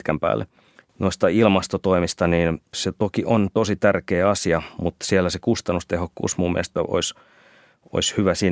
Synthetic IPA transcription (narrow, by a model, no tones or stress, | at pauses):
kæmpæ̰ːlːḛ | noist̪ɑilmɑst̪ot̪oimist̪ɑniːnset̪okiʔont̪osit̪ærkeːɑsiɑmut̪sielːæsekust̪ɑnːust̪ehokːṵːsmumːiḛest̪æʔo̰is | o̰ishyʋæsiː